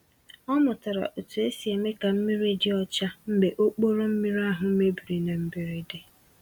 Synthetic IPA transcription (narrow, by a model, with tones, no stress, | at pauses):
ɔ˦mʊ˨ta˨ɾa̰˨ʔo˨tu˨e˦si˨e˨me˦ka˨m̩˦mɪ˦ɾe˦dɪ˦ɔ˦t͡ʃa˦m̩˦be˨ʔo˦k͡po˦ɾo˦m̩˦mi˦ɾa˦ɦʊ˨˦me˦bi˨ɾi˨ne˨m̩˦bi˨ɾi˦dɪ˨